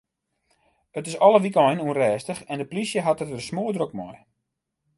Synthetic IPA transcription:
ətɪsɔlˠəʋikɔjnuənrɛːstəxɛndəplisjəɦatətəsmoːdrok̚mɔj

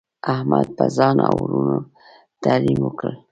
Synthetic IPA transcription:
ahmad̪̚pəzɑnawɾuno | t̪alimwəkəl

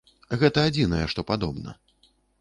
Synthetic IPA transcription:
ɣɛt̪ɐad͡zʲinɐjɛʂt̪ɔpad̪ɔbnɐ̰

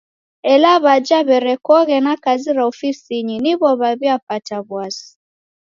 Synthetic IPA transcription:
ɛlaβad͡ʒaβɛɾɛkɔɣɛnakaziɾaɔfisiɲiniβɔβaβiapataβwasi̥

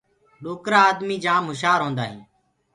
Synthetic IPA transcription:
ɗoːkɾaːd̪miːd͡ʒãːmɦʊʃaːɾɦõːnd̪aːɦĩː

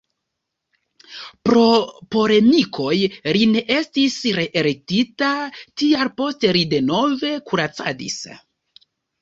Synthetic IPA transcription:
pɾo̞po̞le̞mikʰo̞jline̞ʔe̞stisɾe̞ʔeɾek̚titatiaɾpo̞ste̞ɾide̞no̞ve̞kuɾat͡sa̰dḭs

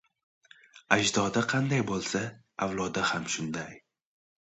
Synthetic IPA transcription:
aʒd̪ɒd̪aqʰɑnd̪ajbolˠsa | awlˠɒd̪ahamʃʊnd̪aj

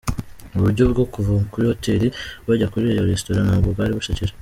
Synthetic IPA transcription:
uβuɾɟo̞bɡo̞kuvukuɾihoteɾiβaɟakuɾiɾejoɾestoɾanhaːbɡobɡaːɾiβuʃaciɾe

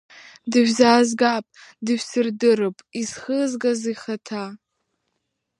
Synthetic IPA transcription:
dɨʒʲzaːzɡapʼdɨʒᶣʷsɨrdɨrɨpʼizχəzɡazijχatʰa

